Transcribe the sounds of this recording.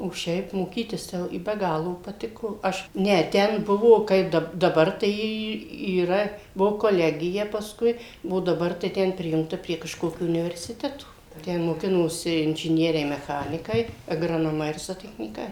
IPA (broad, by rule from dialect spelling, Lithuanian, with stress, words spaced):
oː ˈʃʲɛɪp moːˈkʲiːtʲɪs tɐɪ ˈjɛʊ ɪ bʲɛ ˈɡɑːlˠoː pɐˈtʲɪkoː ˈɐʃ ˈnʲɛ ˈtʲɛn ˈbʊʋoː ˈkɐɪp ˈdɐp dɐˈbɐr tɐɪ ˈiː iːˈrɐ ˈbʊʋoː koːˈlʲæːɡʲɪjɛ pɐsˈkʊɪ oː dɐˈbɐr tɐɪ ˈtʲɛn ˈpʲrʲɪjʊŋktɐ pʲrʲiɛ kɐʃˈkoːkʲoː ʊnʲɪʋʲɛrʲsʲɪˈtʲæːtoː tʲɛn moːˈkʲɪnoːsʲɪ ɪnʲʒʲɪˈnʲiɛrʲɛɪ mʲɛˈxɑːnʲɪkɐɪ ɐɡrɐnoːˈmɐɪ ɪr zoːtʲɛxʲnʲiːˈkɐɪ